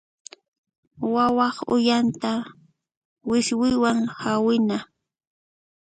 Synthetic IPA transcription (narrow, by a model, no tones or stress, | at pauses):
wawɑχʊ̰jant̪a | wɪswɪjwaŋhawɪna